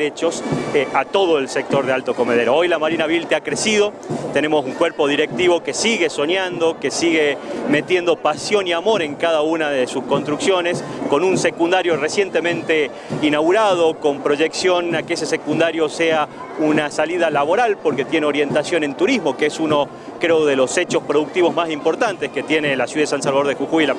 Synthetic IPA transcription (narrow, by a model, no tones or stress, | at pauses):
et͡ʃo̞sat̪o̞ð̞oelsek̚t̪o̞ɾðealt̪o̞ko̞meðeɾoo̞jlamaɾinaβilt̪eakɾesiðo̞ | t̪e̞ne̞mo̞suŋkweɾpo̞ðiɾek̚t̪iβo̞kesiɣe̞so̞ɲjand̪o̞kesiɣeme̞t̪je̞nd̪o̞pasjo̞niamo̞ɾe̞ŋkaðaunaðesusko̞nst̪ɾuksjo̞ne̞sko̞nunse̞kund̪aɾjoresje̞nt̪e̞mẽ̞nt̪e̞ | inawɣuɾað̞o̞ko̞mpɾo̞ʒe̞ksjo̞nakees̬e̞se̞kund̪aɾjo̞sea | unasalið̞alaβo̞ɾalpo̞ɾke̞t̪je̞neo̞ɾje̞nt̪asjo̞nẽ̞nt̪uɾizmo̞keesuno̞ | kɾeoðe̞lo̞se̞t͡ʃo̞spɾoðuk̚t̪iβo̞zmasimpo̞ɾt̪ant̪eske̞t̪je̞nelasjuðaðesansalβaðoɾðexuxujla